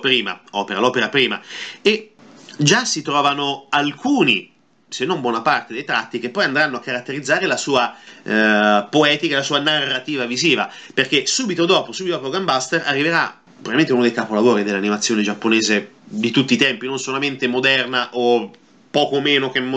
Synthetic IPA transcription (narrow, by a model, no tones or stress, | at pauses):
pɾiːma̰ɔːpeɾalɔpeɾapɾiːma̰ed͡ʒasit̪ɾɔːvanoalkʰuːni | senːombwɔːnapart̪ed̪ejt̪ɾat̪ːik̟epːɔjand̪ɾanːoakːaɾat̪ːeɾid̪zːaːɾelasuːa | poɛːt̪ikalasuːanarːat̪iːvaviziːvaperk̟esuːbit̪od̪ɔːposubit̪od̪ɔpoɡambast̪erarːiveɾa | pɾovalment̪eunod̪ejkapolavoːɾid̪elːanimat̪sːjoːned͡ʒapːoneːzed̪it̪ut̪ːiːt̪ɛmpinonsolament̪emod̪ɛrnaʔo | pɔːkomeːnokem